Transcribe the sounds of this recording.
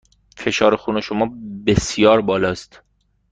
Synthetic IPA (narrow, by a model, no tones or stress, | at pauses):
fe̞ʃɒːɾexuːne̞ʃomɒːbesjɒːɾbɒːlɒːst̪